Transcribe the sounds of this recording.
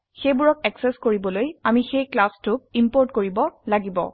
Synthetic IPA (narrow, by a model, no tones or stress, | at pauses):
xejbuɹɔk̚ɛksɛskoɹibɔlojamixejklastʊk̚impɔɹtkoɹibɔlaɡibɔ̰